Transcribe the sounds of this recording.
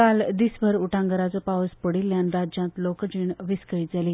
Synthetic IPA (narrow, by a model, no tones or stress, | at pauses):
kald̪isbʱəɾuʈʰãŋɡəɾat͡sɔpaʋəspəɽiljãnɾad͡ʑãt̪lokd͡ʑiːɳʋiskəɭiːd͡zaliː